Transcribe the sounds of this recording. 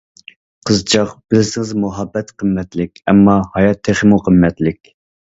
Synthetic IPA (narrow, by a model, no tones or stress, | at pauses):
qʰəzt͡ʃʰɑqb̥ɪlɪsɪŋɪzmuɦɑbːɛt̪qʰəmːɛt̪lɪkʲɛmːɑhɑjɑt̪ʰːeχəmuqʰəmːɛt̪lɪkʲ